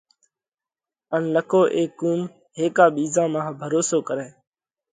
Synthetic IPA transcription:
ənləkʰoːʔeːkːuːm | ɦeːkaːɓiːzãːmãːbʱəɾoːsoːkəɾeː

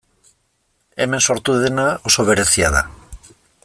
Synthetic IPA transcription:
eme̞nso̞ɾt̪uðenaoso̞βeɾeθiaða̰

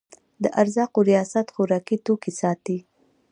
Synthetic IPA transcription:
d̪əʔaɾzɑqoɾijɑsat̪xoɾɑkit̪okisɑt̪i

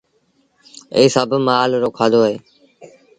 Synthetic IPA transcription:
ḛːsəbʱmaːlɾoːkʰãːd̪oːɦeː

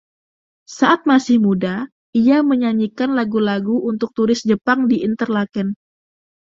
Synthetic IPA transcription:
saʔat̪̚masɪhmuda | iaməɲaɲikanlaɡulaɡuunt̪ʊk̚t̪uɾɪsd͡ʒəpaŋdiint̪ərlakɛn

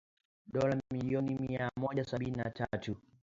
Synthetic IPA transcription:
ɗɔlammiliɔnimiamɔʄasaɓininatatu

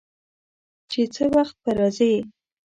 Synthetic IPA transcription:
t͡ʃet͡səwaxt̪̚paɾɑze

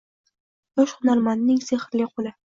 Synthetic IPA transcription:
ɒʃχʊnaɾmanːɪŋseχɾlɪqʰolˠɪ

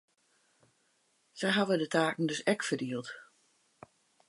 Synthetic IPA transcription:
sɛjɦaʋədətʰaːkn̩dɵsɛkfərdiəlˠt

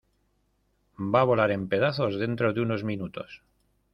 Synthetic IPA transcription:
baβo̞laɾe̞mpe̞ðaθo̞zðe̞nt̪ɾo̞ðeuno̞zmĩnut̪o̞s

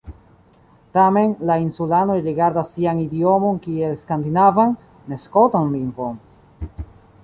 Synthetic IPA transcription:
tame̞nlainsulano̞jɾiɡaɾdasːianidio̞monkielskandinavanː | eskotonlimvon

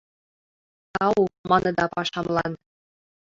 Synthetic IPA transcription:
t̪ɑwumɑnɤ̆d̪ɑpɑʃɑmlˠɑn

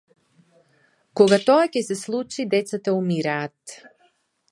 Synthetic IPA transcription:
koɡat̪oacɛsɛslˠut͡ʃid̪ɛt̪sat̪aumiɾaːt̪

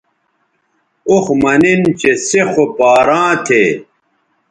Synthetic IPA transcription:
oxmɐnint͡ɕesexopaːɾãːt̪ʰe

